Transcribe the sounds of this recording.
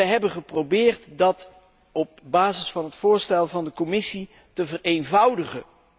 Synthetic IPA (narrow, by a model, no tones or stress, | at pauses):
ɛjɦɛbənχəprowbɪːrtdɑt | ɔp̚baːzəsfɑnɦətfʊːɹstɛlˠvɑndəkɔmɪsi | təvərejnvʌwdəχə